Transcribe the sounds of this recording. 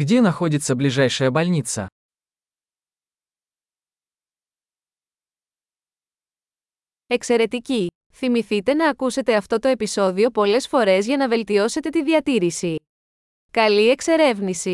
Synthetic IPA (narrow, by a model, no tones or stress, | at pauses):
ɡdʲenɐxo̞dʲit̪sɐbliʒajʃɐjɐbɐlɲit̪sɐ̰ | e̞kse̞ɾe̞t̪ici | θimiθit̪e̞nɐːkuse̞t̪e̞ɐft̪o̞t̪o̞e̞piso̞ðio̞po̞le̞sfo̞ɾe̞zʝɐnɐve̞lt̪io̞se̞t̪e̞t̪iðiɐt̪iɾisi | kɐlie̞kse̞ɾe̞vnisi